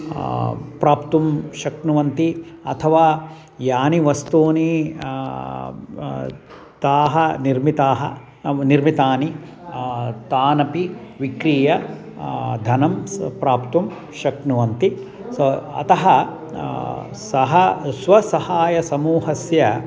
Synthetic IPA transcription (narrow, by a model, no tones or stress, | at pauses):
pɾaːpt̪umʃɐknuʋɐnt̪iɐ̰t̪ʰɐʋaː | jaːniʋɐst̪oːni | t̪aːɦɐniɾmit̪aːɦɐ̰ | niɾmit̪aːni | t̪aːnɐpiʋikɾiːjɐ | d̪ʱɐnɐmpɾaːpt̪um | ʃɐknuʋɐnt̪i | soɐ̰t̪ɐɦɐ | sɐɦɐsʋɐsɐhaːjɐsɐmuːɦɐsjɐ